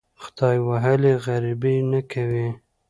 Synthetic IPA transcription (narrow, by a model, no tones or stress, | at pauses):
xt̪ɑjwaɦəleɣaɾibinakʰawi